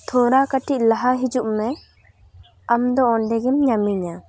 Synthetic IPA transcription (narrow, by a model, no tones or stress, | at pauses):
t̪ʰɔɾakaʈiʔ̚laɦaɦid͡ʒuʔmɛ | amd̪ɔɔɳɖɛɡɛmɲamiɲa